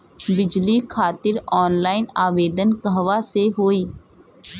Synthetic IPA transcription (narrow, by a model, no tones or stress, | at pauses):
bɪd͡ʒliːkʰaːt̪ɪɾɔːnlaːɪnaːʋeːd̪ənkəɦʋaːseɦoːiː